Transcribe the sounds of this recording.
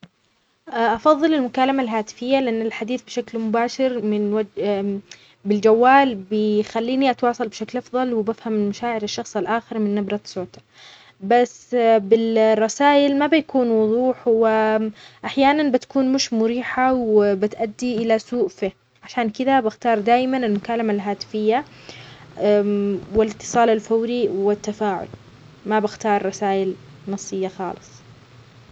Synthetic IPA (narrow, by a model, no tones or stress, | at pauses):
ʔʔɑfɑðˤːɨlɪlmʊkaːlamalɦaːt̪ɪ̥fɪjːalɪʔanːɪlħad̪iːθbɪʃaklmʊbaːʃɪɾmɪnwad͡ʒ | bɪld͡ʒawːaːlbɪxalːiːniʔat̪wɑːsˤɑlbɪʃaklʔɑfðˤɑlwɪbafhammaʃaːʕɪɾɪʃːɑxsˤalʔaːxɪɾmɪnːabɾˤɑt̪soːt̪ḁ | basːbɪrˤːɑsaːjɪlmabɪjakuːnwʊðˤuːħwɪʔaħjaːnanbɪt̪ḁkuːnmʊʃmʊɾiːħawɪbɪt̪ʔad̪ːiʔɪlasuːʔfi | ʕaʃaːnkɪd̪abɪxt̪ɑːɾˤd̪aːjmanɪlmʊkaːlamalɦaːt̪ɪ̥fɪjːa | wɪlɪt̪ːɨ̥sˤɑːlalfawɾiwɪt̪ːafaːʕʊ̰l | mabɪxt̪ɑːɾˤːɑsaːʔɪl | nɑsˤːɨjːaxɑ̰ːlɨsˤ